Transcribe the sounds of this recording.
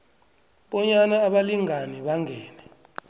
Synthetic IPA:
ɓɔɲanaːɓaliŋaniɓaŋʱɛːnɛ

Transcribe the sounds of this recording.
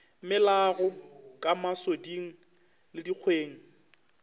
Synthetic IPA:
mɪlaɣɔkʼamasodiŋ̩ | lɪdik͡xʰweːŋ̩

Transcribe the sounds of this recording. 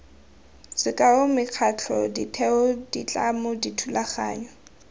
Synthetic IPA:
t͡sɪkʼaʊmɪq͡χʰat͡ɬʰɔ̰ditʰɛʊdḭt͡ɬʼamʊditʰulaχa̰ːɲɔ

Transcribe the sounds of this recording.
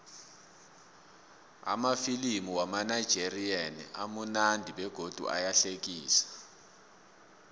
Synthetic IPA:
a̰mafilimiwamanajd̥d͡ʒ̥ʱerianḭʔamunandʱiɓɛɡ̥ʱod̥ʱṵʔa̰jaɬek̬iːsḁ

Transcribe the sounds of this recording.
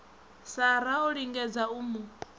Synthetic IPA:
saɾaɔɺiŋɡɛd͡zauːmu

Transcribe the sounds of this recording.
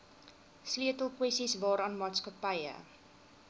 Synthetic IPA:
sliətəlˠkwɛsisvɑːɾɑːnmɑːtskəpəjə̰

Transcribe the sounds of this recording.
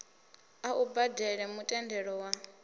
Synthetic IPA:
aʔubadɛɺɛmutʼɛndʱɛɺɔwa

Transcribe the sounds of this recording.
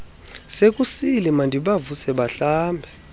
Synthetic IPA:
sek̬ʼusilimandʱiɓavusɛɓaɬaːmbʱɛ

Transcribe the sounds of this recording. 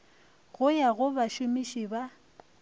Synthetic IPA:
ɣʊjaɣʊbaʃʊmiʃiba

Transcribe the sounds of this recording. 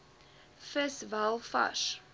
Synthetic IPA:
fəsvalˠfa̰ʃ

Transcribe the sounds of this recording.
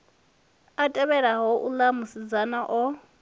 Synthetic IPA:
atʼɛβɛɺaɦɔʔulamʊsid͡zanaʔɔ

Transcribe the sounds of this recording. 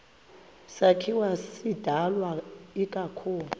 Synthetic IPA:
sakʰiwasid̥ʱalwaikʼakʰuːlu

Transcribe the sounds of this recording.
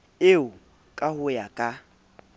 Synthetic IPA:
ɪʊ | kʼahʊjakʼa

